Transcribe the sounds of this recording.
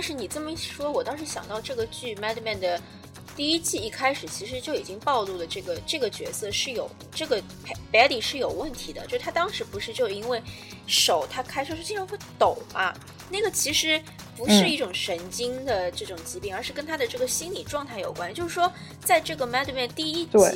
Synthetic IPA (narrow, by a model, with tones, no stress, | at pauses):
t̪ɑ˥˧nʂɻ̩˥˩ni˨˩ʈ͡ʂɤ˥˩mə˩i˥˩˥ʂwɔ˥wɔ˨˩t̪ɑ˥ʊʂ̬ɻ̩˥˩ɕjɑ̰˨˩ŋt̪ɑ˥˧ʊʈ͡ʂɤ˥˩ɡə˩t͡ɕy˥˩mɛ˥d̪mɛ˥˩nd̪ə˩ | t̪i˥˧i˥t͡ɕi˥˧i˥˩kʰa˥ɪʂɻ̩˨˩t͡ɕʰi˧˥ʂɻ̩˧˥t͡ɕjo˥˩ʊi˨˩t͡ɕi˥ŋpɑ˥˧ʊlu˥˩lə˩ʈ͡ʂɤ˥˩ɡə˩ʈ͡ʂɤ˥˩ɡə˩t͡ɕɥɛ̰˧˥sɤ˥˧ʂɻ̩˥˩jo˨˩ʊ | ʈ͡ʂɤ˥˩ɡə˩ | pʰpɛ˧˥li˨˩ʂɻ̩˥˩jo˨˩ʊwə˥˩nt̪ʰi˧˥d̪ə̰˧t͡ɕjʂɻ̩˥˩t̪ʰa˥t̪ɑ˥ŋʂɻ̩˧˥pu˧˥ʂɻ̩˥˧t͡ɕjo˥˧ʊ˧i˥nwe˥˩ɪ | ʂo˨˩ʊt̪ʰa˥kʰa˥ɪʂʂt͡ɕi˥˧ʈ͡ʂʰxe˥˩t̪o˨˩˦ʊɐ˦ | na˥˩ɡə˩t͡ɕʰi˧˥ʂɻ̩˧˥ | pu˧˥ʂɻ̩˥˧i˥˩ʈ͡ʂʊ˨˩ŋʂə˧˥nt͡ɕi˥ŋd̪ə˨ʈ͡ʂɤ˥˩ʈ͡ʂʊ˨˩ŋt͡ɕi˧˥pi˧˥˩ŋə˞˧˥ʂɻ̩˥˩kə˥nt̪ʰa˥d̪ə˨˧ʈ͡ʂɤ˥˩ɡə˩ɕi˥nli˨˩ʈ͡ʂwɑ˥˧ŋt̪ʰa˥˩ɪjo̰˨˩ʊkwa˥ni˧˩t͡ɕjo˥˧ʂɻ̩˥˩ʂwɔ˥ | t͡sa˥˧ɪʈ͡ʂɤ˥˩ɡə˩mɛ˥d̪ə˧mɛ˥˧nt̪i˥˧i˥t